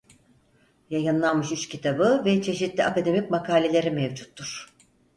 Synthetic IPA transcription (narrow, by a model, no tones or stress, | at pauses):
jajɯnlˠanmɯʃyt͡ʃcʰit̪ʰabɯvɛt͡ʃʰe̞ʃit̪lʲiʔakad̪e̞mic̚makʰaːlʲe̞lʲe̞ɾimevd͡ʒut̪ʰːuɾ̥